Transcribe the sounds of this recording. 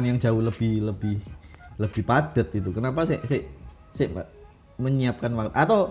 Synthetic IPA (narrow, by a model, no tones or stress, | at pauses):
njaŋd͡ʒauhləb̥ɪhləb̥ɪhləb̥ɪhpad̥ət̪̚it̪ukənapaseʔseʔ | seʔma | məɲiap̚kanwakt̪at̪aw